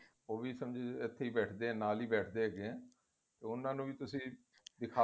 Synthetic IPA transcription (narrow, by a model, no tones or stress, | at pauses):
oːʋiːsəmd͡ʒeːɪt̪ʰːeːiːbɛːʈʰd̪eːɛ̃ːnaːliːbɛːʈʰd̪eːɦɛɡeɛ̃ː | t̪eːʊnãːnũːʋiːt̪ʊsĩː | d̪ɪkʰaː